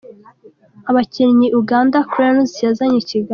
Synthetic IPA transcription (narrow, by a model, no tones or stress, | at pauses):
aβacinɲiʔuɡaːndakuɾanuzi̥jazaɲiciɡa